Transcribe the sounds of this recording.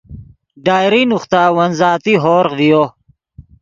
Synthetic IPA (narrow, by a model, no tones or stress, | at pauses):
ɖaːjɾinuxt̪aːwɐnzaːt̪iɦoːɾqvijo